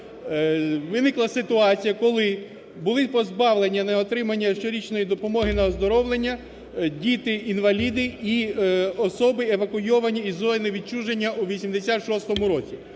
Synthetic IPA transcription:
ʋɪnɪklˠɐsɪt̪ʊɑt͡sʲijɐkɔlˠɪ | bʊlˠɪpɔzbɑwlˠenʲːɐnɐɔt̪ɾɪmɐnʲːɐʃt͡ʃɔɾʲit͡ʃnɔjid̪ɔpɔmɔɦɪnɐɔzd̪ɔɾɔwlˠenʲːɐ | dʲit̪ɪinʋɐlʲid̪ɪiɔsɔbɪeʋɐkʊjɔʋɐnʲːiizɔjnɪʋʲid̪̚t͡ʃuʒenʲːɐuʋʲisʲimd̪esʲat̪ʃɔst̪ɔmʊɾɔt͡sʲi

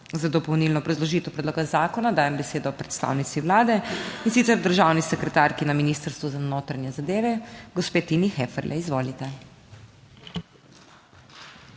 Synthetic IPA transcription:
zad̪ɔpɔwnilnɔːbɾazlɔʒiːt̪ɛwpɾɛd̪loːɡazaːkɔnad̪aːjɛmbɛseːd̪ɔːpɾɛt̪st̪a̰ːwnit̪siwlaːd̪ɛinsit̪sɛɾd̪əɾʒaːwnisɛkɾɛt̪aɾkinaminiːst̪əɾst̪ʋuzanoːt̪ɾanjɛzad̪eːʋɛɡɔspeːt̪inixɛːfɛɾlʔɛ̰izʋoːlit̪ɛ

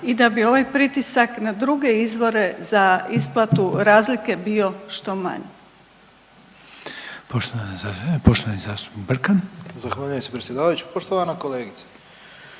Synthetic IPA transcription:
id̪abio̞ʋajpɾit̪isaknad̪ɾuɡe̞izʋo̞ɾe̞zaisplˠat̪uɾaːzlike̞bio̞ʃt̪o̞ma̰ɲe | poʃt̪oanpoʃt̪oʋanizaːst̪u̥ibr̩kanzaxʋaːʎujemsepɾesje̞d̪aːʋajut͡ɕu̥poʃt̪oʋanakoleːɡit̪sḁ

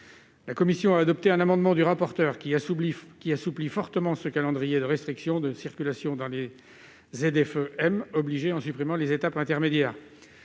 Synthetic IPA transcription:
lakɔmisjɔ̃aːd̪ɔp̚t̪eɛ̃namɑ̃d̪mɑ̃d̪yʁapɔʁt̪œʁikʲiasuplifɔʁt̪əmɑ̃səkalɑ̃d̪ʁijed̪əʁɛst̪χiksjɔ̃d̪əsiʁkʲylasjɔ̃d̪ɑ̃le | zed̪ɛføɛmɔbliʒeɑ̃sypχimɑ̃lezet̪apɛ̃t̪ɛʁmed̪jɛːʁ

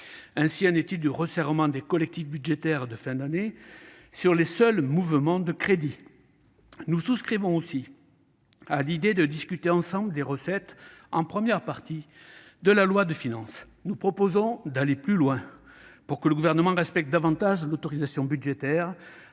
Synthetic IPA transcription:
ɛ̃siɑ̃net̪ild̪yʁəsɛʁmɑ̃d̪ekɔlɛk̚t̪ifbyd̪ʒet̪ɛʁd̪əfɛ̃d̪ane | syʁlesœlmuvmɑ̃d̪əkχed̪i | nususkχivɔ̃osi | alid̪ed̪əd̪iskʲyt̪eɑ̃sɑ̃bləd̪eʁəsɛt̪ɑ̃pχəmjɛʁpaʁt̪i | d̪əlalwad̪əfinɑ̃s | nupχɔpozɔ̃d̪aleplylwɛ̃puʁkələɡuvɛʁnəmɑ̃ʁɛspɛk̚t̪̚d̪avɑ̃t̪aʒlot̪ɔʁizasjɔ̃byd̪ʒet̪ɛʁ

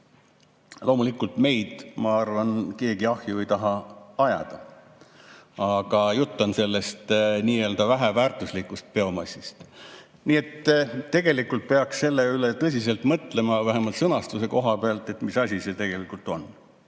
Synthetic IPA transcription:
lʔo̞ːmulikːult̪me̞jd̪̥mɑɑrvɑnke̞ːɡiɑhjue̞jt̪ɑɦɑɑjɑ̰d̪̥ɑ | ɑɡ̥ɑjut̪ːɑnse̞lːe̞st̪niːe̞ld̪ɑvæɦævæːrt̪ˑuslikːˑust̪̚pe̞omɑsʲːist̪ | niːe̞t̪ːe̞ɡ̥e̞likult̪̚pe̞ɑksse̞lːe̞ylet̪ɤs̬ʲis̬e̞lt̪mɤt̪le̞mɑvæɦemɑlt̪sɤnɑst̪use̞ko̞ɦɑpeɑlt̪ˑe̞t̪misɑsʲise̞t̪e̞ɡ̥e̞likːˑult̪o̞n

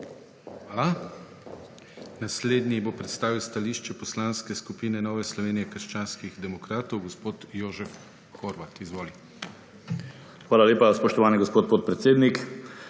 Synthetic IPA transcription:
xʋaːla | nasleːd̪nibopɾɛt̪st̪aːʋiwst̪aliːʃt͡ʃɛpɔslaːnskɛskupiːnɛnɔːʋɛslɔʋeːnijɛkəɾʃt͡ʃaːnskiɣd̪ɛmɔkɾaːt̪ɔwɡɔspoːt̪joːʒɛf | xoɾʋat̪izʋoːli | xʋaːlaleːpaspɔʃt̪ɔʋaːniɡɔspoːt̪̚poːt̪̚pɾɛt̪seːd̪nik

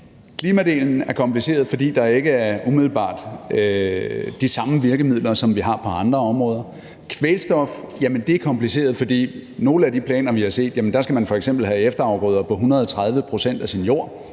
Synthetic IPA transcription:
kʰliːmæd̥e̝̰ːln̩æɐkʰɒ̽mplise̝̰ːɐð̞̩ˠfɒ̽d̥ḭːd̥ɑ̈e̝ɡ̥əæɐʔumiðˠl̩b̥ɑ̰̈ːd̥ | d̥isɑ̈məʋiɐɡ̥əmið̞̰ˠlɐsɒ̽mʋiɦɑ̈pʰɒ̽ɑ̈nd̥ʁɐɒ̽mʁɔ̽ːð̞ˠɐ | kʰʋelsd̥ɒ̽fjæmənd̥e̝ɐkʰɒ̽mpʰlise̝̰ːɐð̞ˠfɒ̽d̥ḭːno̝ːləæd̥ipʰlɛ̰ːnɐʋihɑ̈se̝̰ːd̥jæmənd̥ɑ̈sɡ̥æmænfɒ̽eɡ̥sem̰b̥l̩ɦæefd̥ɐɑ̈ʊɡ̥ʁɔːð̞ˠɐpʰɒ̽ɦunɐð̞ˠɒt͡sʰʁað̞ˠʋəpʰʁo̝sen̰d̥æsinjo̝ɐ̰

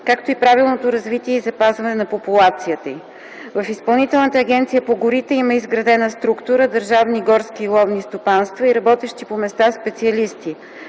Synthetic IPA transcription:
kakt̪oipɾavilˠnot̪oɾɐzvit̪iɛizɐpazvɐnɛnɐpopulˠat̪sijət̪əi | vɐfispɐlˠnit̪ɛlˠnət̪əːɡ̟ʲɛnt̪sijəpoɡʊɾit̪ɛiməizɡɾɐd̪ɛnəst̪ɾukt̪uɾəd̪əɾʒavniɡɔɾskiːlˠɔvnist̪opanst̪vɐiɾɐbɔt̪ɛʃt̪ipomɛst̪aspɛt̪siɐlist̪i

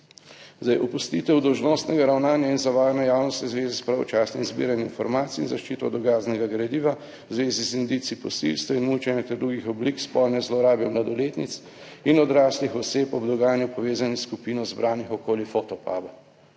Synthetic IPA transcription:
zd̪ajʔɔpust̪iːt̪ɛwd̪ɔwʒnost̪nɛɡaɾawnaːnjainzaʋaːjnɛjaːwnɔst̪izʋeːzispɾɛɔ̰t͡ʃaːsnimzbḭːɾaninfɔɾmaːt̪sḭːnzaʃt͡ʃiːt̪ɔd̪ɔɡaːznɛɡaɡɾad̪iːʋa | wzʋeːzizind̪it̪siipɔsḭlst̪ainmut͡ʃɛnjɛt̪ɛɾd̪ɾuɡixɔblikspɔlnɛzlɔɾaːbjɛmlad̪ɔleːt̪nit̪s | inɔd̪ɾaːslixɔseːpɔbd̪ɔɡaːjanjupɔʋeːzaniskupiːnɔzbɾaːnixɔkoːlifot̪ɔpa̰ːba

